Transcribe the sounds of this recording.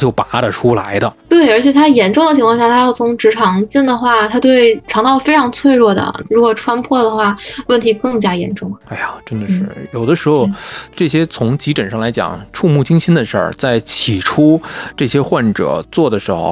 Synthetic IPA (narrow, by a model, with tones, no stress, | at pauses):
t͡ɕjo˥˩ʊpa˧˥d̪ə˨ʈ͡ʂʰu˥la˧˥ɪd̪ə˧t̪we˥˩ɪə˞˧˥t͡ɕʰjɛ˨˩t̪ʰa˥jɛ˧˥nʈ͡ʂʊ˥˩ŋd̪ə˩t͡ɕʰi˧˥ŋkʰwɑ˥˧ŋɕja˥˩t̪ʰa˥jɑ˥˩ʊt͡sʰʊ˧˥ŋʈ͡ʂɻ̩˧˥ʈ͡ʂʰɑ˧˥ŋt͡ɕi˥˩nd̪ə˩xwa˥˩t̪ʰa˥t̪we˥˩ɪʈ͡ʂʰɑ˧˥ŋt̪ʰɑ˥˧fe˥ɪʈ͡ʂʰɑ˧˥ŋt͡sʰwe˥˧ɪɻwɔ˥˩d̪ə̰˩ɻu˧˥kwɔ˨˩ʈ͡ʂʰwa˥npʰwɔ˥˩d̪ə˩xwa˥˩wə˥˩nt̪ʰi˧˥kɤ˥˩ŋt͡ɕja˥jɛ̰˧˥nʈ͡ʂʊ˥˩ŋa˥ɪja˨˩ʈ͡ʂə˥nd̪ə˨ʂɻ̩˥˩jo˨˩ʊd̪ə˦ʂɻ̩˧˥xo˧ʊʈ͡ʂɤ˥˩ɕjɛ˥t͡sʰʊ˧˥ŋt͡ɕi˧˥pə˨˩nʂɑ˥˩ŋla˧˥ɪt͡ɕjɑ̰˨˩˦ŋʈ͡ʂʰu˥˧mu˥˩t͡ɕi˥ŋɕi˥nd̪ə˨ʂə̰˞˥˩t͡sa˥˩ɪt͡ɕʰi˨˩ʈ͡ʂʰu˥ʈ͡ʂɤ˥˩ɕjɛ˥xwa˥˩nʈ͡ʂɤ̰˨˩˦t͡swɔ˥˩d̪ə˩ʂɻ̩˧˥xo̰˧ʊ